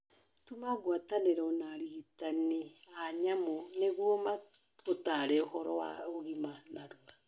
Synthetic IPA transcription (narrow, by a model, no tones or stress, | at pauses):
tumaɣwataneɾɔnaɾiːtaniaɲamoneɣwɔma | otaːɾɛohɔɾɔwa̰oɣimanaɾoɾa